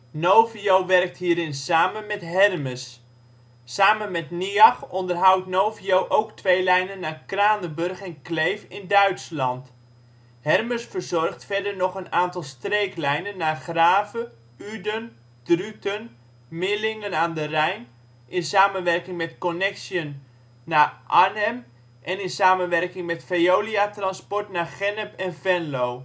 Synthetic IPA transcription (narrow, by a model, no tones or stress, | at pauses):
nowviowʋɛrk̚tɦiːɾɪnsaːmənmɛtɦɛrməsː | aːmənmɛtniɑxɔndərɦʌwtnowviowʔowktʋejlɛjnənːaːrkraːnəbɵrχɛnklejfɪndœɥtslɑnt | hɛrməsfərzɔrχtfɛɹdəɹnɔχənaːntɑlˠstrejklɛjnənːaːrχraːvə | ydən | drytən | mɪlɪŋənaːndərɛjn | ʔɪnsaːmənʋɛrkɪŋmɛtkɔnɛksiənː | aːʔanɛm | ʔɛnɪnsaːmənʋɛrkɪŋmɛtfejowliatrɑnspɔɹtnaːχɛnəpɛnvɛnlow